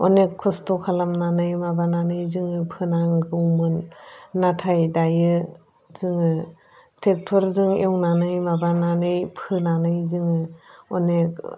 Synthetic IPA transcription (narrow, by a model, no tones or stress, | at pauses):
ɔ̰nekʰːɔstokʰalamnanɯjmabananɯjzɯŋɯpʰɯnaŋɡɯwmɯnːatʰajdajɯ | z̥ɯŋɯ | tʰek̚tʰɔɾzɯŋḛwnanɯjmabananɯjpʰɯnanɯjzɯŋɯɔnek̚